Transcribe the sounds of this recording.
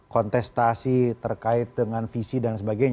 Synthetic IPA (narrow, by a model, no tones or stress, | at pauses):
kɔnt̪ɛst̪asit̪ərkaɪt̪̚dəŋanfisidansəbaɡajɲ